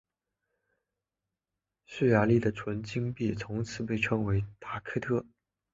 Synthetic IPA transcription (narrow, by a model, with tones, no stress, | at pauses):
s̩˥˩ja˧˥li˥˩d̪ə˩ʈ͡ʂʰwə˧˥nt͡ɕi˥ŋpi˥˩t͡sʰʊ˧˥ŋt͡sʰɹ̩˧˥pe˥˩ɪʈ͡ʂʰɤ˥ŋwe˧˥ɪt̪a˧˥˩kʰɤ˥t̪ʰɤ˥